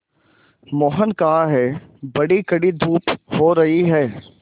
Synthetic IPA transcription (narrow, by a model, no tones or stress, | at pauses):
mɔːɦənkaːaɦɛbɐɽikɐɽid̪ʱuːphoːɾɐɦiɦɛː